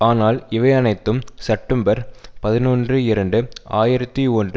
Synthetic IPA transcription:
aːnaːlɪʋɐɪɐnɐɪt̪ːɯmsɛp̚ʈːɐmbɐɾpɐðɪnuːndrɯɪɾɐɳɖɯaːjɪɾɐt̪ːiɔndrɯ

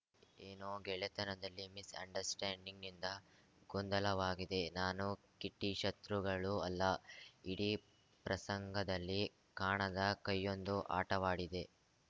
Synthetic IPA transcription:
eːnoːɡɛɭet̪ɐnɐd̪ɐlːimisɐ̰ɳɖɐɾsʈaːɳɖiŋɡind̪ɐ | ɡɔnd̪ɐlɐʋaːɡid̪e̞naːnu | kiʈːiʃɐt̪ɾuɡɐɭuɐlːɐiɽi | pɾɐsɐŋɡʱɐd̪ɐlːi | kaːɳɐd̪ɐkɐjːo̞nd̪uʔa̰ːʈɐʋaːɽid̪e̞

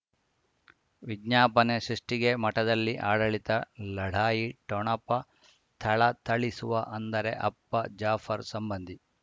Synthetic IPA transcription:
ʋiɡɲaːpɐneʃɾuʂʈiɡe̞mɐʈɐd̪ɐlːiʔaːɽɐɭit̪ɐlɐɽ̤ʱaːjiʈɔɳɐpːɐ | t̪ʰɐɭɐt̪ʰɐɭisuʋɐʔɐnd̪ɐɾe̞ʔɐpːɐd͡ʒaːfʰɐɾsɐmbɐnd̪ʱi

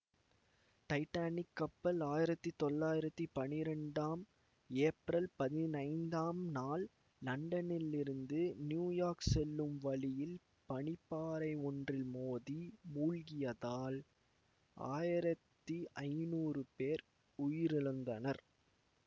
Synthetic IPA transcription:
ʈɐɪʈːaːnɪkːɐpːɐlaːjɪɾɐt̪ːɯt̪ɔlːaːjɪɾɐt̪ːɯpɐnɪɾɛɳɖaːm | eːpɾɐlpɐðɪnɐɪnd̪aːmnaːlː | ɐɳɖɐnɪlɪɾɯnd̪ɯnjuːjaːɾksɛlːɯmʋɐlɪjɪl | pɐɳɪpːaːɾɐɪɔndrɪlmoːðimuːlɣɪjɐðaːl | a̰ːjɪɾɐt̪ːiʔɐɪnuːrɯpeːɾ | ʊjɪɾɪɻɯnd̪ɐnɐɾ

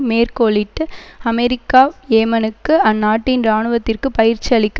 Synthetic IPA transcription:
meːrkoːɭɪʈːɯɐmɛɾɪkːaːjeːmɐnɯkːɯɐnːaːʈːɪnɾaːɳɯʋɐt̪ːɪrkɯpɐjɪɾt͡ʃːiɐɭɪkː

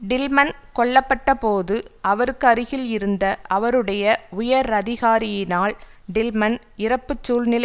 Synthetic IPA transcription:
ɖɪlmɐnkɔɭːɐpːɐʈːɐpoːðɯɐʋɐɾɯkːɐɾɯɣɪlɪɾɯnd̪ɐʔɐʋɐɾɯɽɐjɐʊjɐɾɐðɪɣaːɾɪjɪnaːlɖɪlmɐn | ɪɾɐpːɯt͡ʃːuːlnɪlɐ

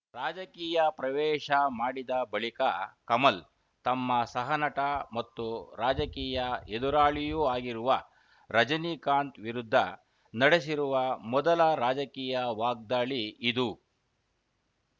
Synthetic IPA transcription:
ɾaːd͡ʒɐkiːjɐpɾɐʋɛːʃɐmaːɽid̪ɐbɐɭikɐkɐmɐl | t̪ɐmːɐsɐɦɐnɐʈɐmɐt̪ːuɾaːd͡ʒɐkiːjɐed̪uɾaːɭijuaːɡiɾuʋɐ | ɾɐd͡ʒɐniːkaːnt̪ʋiɾud̪ʱːɐ | nɐɽes̬iɾuʋɐmɔd̪ɐlɐɾaːd͡ʒɐkiːjɐʋaːɡ̚d̪aːɭiːd̪u

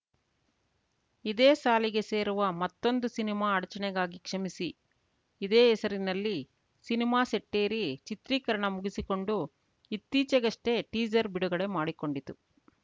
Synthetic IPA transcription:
id̪eːsaːliɡe̞se̞ːɾuʋɐmɐt̪ːo̞nd̪usinimaːɐɽɐt͡ʃɐɳɛɡaːɡikʂɐmisiː | d̪eːɛsɐɾinɐlːi | sinimaːseʈːe̞ːɾit͡ʃit̪ɾiːkɐɾɐɳɐmuɡisiko̞ɳɖu | it̪ːiːt͡ʃɐɡɐʂʈe̞ʈiːd͡ʒɐɾbiɽuɡɐɽe̞maːɽiko̞ɳɖit̪ːu

